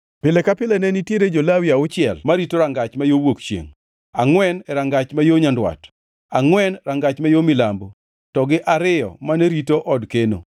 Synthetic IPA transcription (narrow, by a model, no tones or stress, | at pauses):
pɪlɛkapɪlɛnɛnitjeɾed͡ʒolawiaʊt͡ʃɪɛlmaɾitoɾaŋɡat͡ʃmajowokt͡ʃjḛŋ | aŋwɛnɛɾaŋɡat͡ʃmajoɲandwa̰t | aŋwɛnɾaŋɡat͡ʃmajomɪlambo | tɔɡɪʔaɾɪjɔ̰maneɾitoʔɔdkeno̰